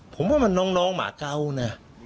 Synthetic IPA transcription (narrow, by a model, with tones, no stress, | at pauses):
pʰo˨˩˦mwaː˥˩ma˧nːɔː˦˥ŋnɔː˦˥ŋma̰ː˨˦ka˧wna˧˩